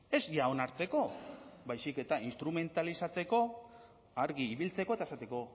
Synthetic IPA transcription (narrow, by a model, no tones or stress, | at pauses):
e̞zjao̞naɾt͡se̞ko̞bajsike̞t̪ainst̪ɾume̞nt̪alisat͡se̞ko̞ | aɾɣiːβilt͡se̞ko̞t̪aesat̪e̞ko̞